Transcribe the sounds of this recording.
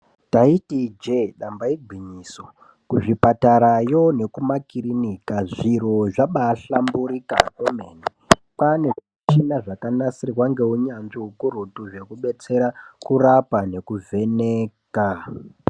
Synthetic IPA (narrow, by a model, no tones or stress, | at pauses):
taitid͡ʒeɗambaiɡʱwiɲiso | kuʐipataɾajo̞ne̞kumakirinikaʐiɾo̞ʐaɓaːɬambuɾika̰komeni | pane̞ʐit͡ʃinaʐakanasirwaŋɡe̞uɲanʐiukuɾutuʐe̞kuɓe̞t͡se̞ɾakurapane̞kuvʱe̞neːka